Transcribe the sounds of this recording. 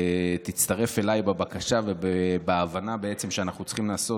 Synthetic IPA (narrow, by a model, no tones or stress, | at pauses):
t̪it͡st̪aʁe̞fe̞lajbebakaʃavebebeavanabeet͡se̞mʃeanaχnut͡sχimlaːso̞